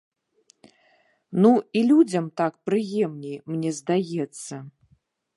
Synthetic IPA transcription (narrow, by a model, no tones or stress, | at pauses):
nuilʲud͡zʲɐmt̪akpɾɨjɛmnʲɛjmnʲɛzd̪ajɛt̪sːɐ